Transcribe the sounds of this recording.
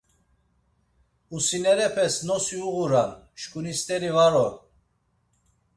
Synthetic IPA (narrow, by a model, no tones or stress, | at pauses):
usinɛɾɛpʰɛsnɔsiuɣuɾanʃkʼunist̪ʼɛɾivaɾɔɾ